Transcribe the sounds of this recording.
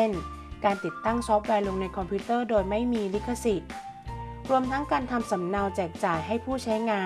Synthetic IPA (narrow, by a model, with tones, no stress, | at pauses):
n | kaː˧nt̪i˨˩t̪ːa˥˩ŋsɔ˦˥p̚wɛː˧lo˧ŋna˧jkʰɔ˧mpʰuː˦˥t̪ɤː˥˩doː˧jma˥˩jmiː˧li˦˥kʰːa˧si˨˩t̪̚ | ɾu˧əmt̪ʰa˦˥ŋkaː˧nt̪ʰa˧msa˩˦mna˧wt͡ɕɛː˨˩k̚t͡ɕaː˨˩jɦa˥˩jpʰuː˥˩t͡ɕʰa˦˥jŋaː˧